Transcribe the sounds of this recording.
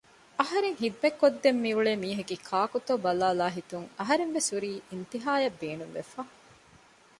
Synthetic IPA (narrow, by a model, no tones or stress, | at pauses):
ɐɦɐɾeŋɦid̪umekːod̪ːemːiuɭeːmiːɦekikʰaːkut̪oːbɐlaːlaːɦit̪uŋɐɦɐɾenʋesuɾiːint̪iɦaːjɐbːeːnuŋʋefaː